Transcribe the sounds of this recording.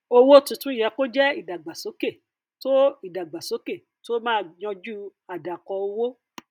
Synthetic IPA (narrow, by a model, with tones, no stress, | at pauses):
o˧wo˦tũ˧tũ˦i˦˨jɛ˨˧ko˦d͡ʒɛ˦i˦˨da˨ɡ͡ba˨so˨˦ke˦˨ | to˦i˦˨da˨ɡ͡ba˨so˨˦ke˦˨ | to˦mãː˦˧˨j̃ɔ̃˧d͡ʒu˦a˨da˨kɔ˧o˧wo˦